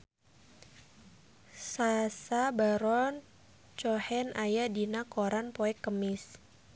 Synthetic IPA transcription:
sasabaɾɔn | t͡ʃɔhɛnʔajadinakoɾanpɔɛkːəmɪs

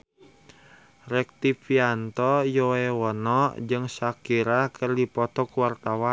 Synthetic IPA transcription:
rɛk̚t̪ipiant̪ɔjɔɛwɔnɔd͡ʒɨŋsakiɾakʰərdipɔt̪ɔkuwart̪awan

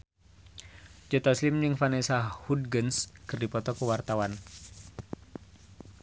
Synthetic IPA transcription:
d͡ʒɔt̪aslimd͡ʒɨŋfanɛsahud̚ɡənskɨrdipɔt̪ɔkəwart̪awan

